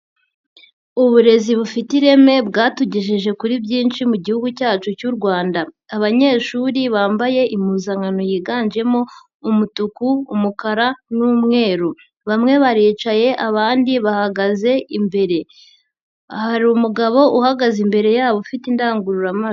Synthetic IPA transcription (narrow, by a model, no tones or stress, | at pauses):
uβuɾe̞ziβufitiɾe̞me̞bɡaːtuɟiʃiʒe̞kuɾibɟiːnʃimuɟihuɡucaːt͡ʃucuɾɡwaːndaː | βaɲe̞ːʃuːɾiβaːmbaje̞ʔimuzaŋano̞jiːɡaːnd͡ʒe̞mo̞ː | mutukuːmukaɾanuːmŋe̞ːɾu | βamŋe̞βaɾiːt͡ʃaje̞ʔaβaːndiβahaɡaze̞ʔimbe̞ɾe̞ | haɾiumuɡaβo̞ʔuhaɡazimbe̞ɾe̞jaːβofitindaːŋɡuɾuɾama